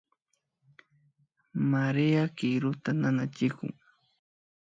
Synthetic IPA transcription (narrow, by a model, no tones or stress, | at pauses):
maɾɪjakɪɾʊt̪ananat͡ʃɪkʊ̰ŋ